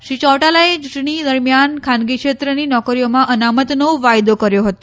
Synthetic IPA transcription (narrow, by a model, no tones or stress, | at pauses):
ʃit͡ɕɔʋʈalaet͡ʃuʈɳid̪əɾmjankʰanɡikʂet̪ɾəninɔkɾijomãʔənamət̪nəʋʋajd̪okəɾjoɦət̪o